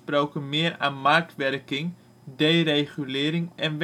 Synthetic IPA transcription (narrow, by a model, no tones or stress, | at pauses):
proːwkənmɪːəra̰ːnmark̚tʋɛrkɪŋ | deːrejχylɪːɾɪŋɛnʋ